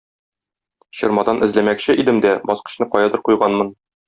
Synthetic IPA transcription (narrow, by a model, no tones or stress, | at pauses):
ɕɤ̆ɾmɑd̪ɑnʔɘ̆zlæmækɕɘʔid̪ɘmd̪æbɒsqɤ̥̆ɕn̪ɤqɒjɑd̪ɤɾqujʁɑnmɤn